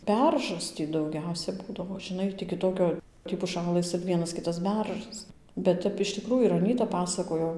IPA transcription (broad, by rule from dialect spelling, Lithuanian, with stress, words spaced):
ˈbʲɛrʒɐs ˈtʲiː dɐʊˈɡʲɛʊsʲɛ ˈbuːdɐʋoː ʒʲɪˈnɐɪ tʲiː kʲɪˈtoːkʲoː tʲiː pʊˈʃɑːlˠɘs ɪr ˈʋʲiɛnɐs ˈkʲɪtɐs ˈbʲɛrʒɐs bʲɛt ˈtʲɛp ɪʃ tʲɪˈkruːjʊ ɪr ɐˈnʲiːtɐ ˈpɑːsɐkoːjoː